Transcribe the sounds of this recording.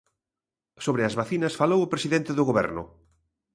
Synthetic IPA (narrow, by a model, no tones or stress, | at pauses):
soβɾɪɐzβaθinɐsfalowʊpɾesiðent̪ɪðʊɣoβɛ̰ɾnʊ̰